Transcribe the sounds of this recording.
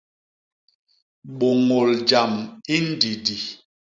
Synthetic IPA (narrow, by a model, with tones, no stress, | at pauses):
ɓo˨ŋo˨ld͡ʒa˨mi˦n̩˦di˨di˨